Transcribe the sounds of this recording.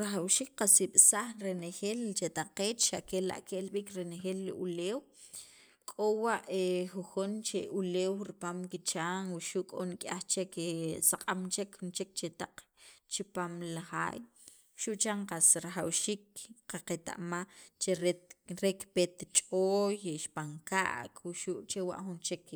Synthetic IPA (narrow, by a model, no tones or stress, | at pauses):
ɾaxawʃiːk̚qasiɓ̥saχɾenexeːlt͡ʃet̪aqeːt͡ʃʃaʔkela̰ʔkeʔlɓiːkɾenexeːlːiʔuleːw | kʼowaʔexuxont͡ʃeʔuleːwɾipaːmkit͡ʃaːŋwiʃuʔkʼonikʼaxt͡ʃekesaqʼamt͡ʃekxunt͡ʃek̚t͡ʃet̪aq͡χt͡ʃipaːmlaxa̰ːj | ʃuʔt͡ʃaŋqasɾaχawʃiːk̚qaqet̪a̰ʔmat͡ʃeɾeɾekpet̪t͡ʃʼoːjʃpaŋka̰ʔkwuʃuʔt͡ʃewa̰ʔxunt͡ʃek